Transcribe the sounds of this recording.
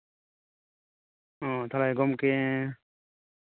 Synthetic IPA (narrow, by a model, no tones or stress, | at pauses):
ɔ̃t̪ʰalajɡɔmke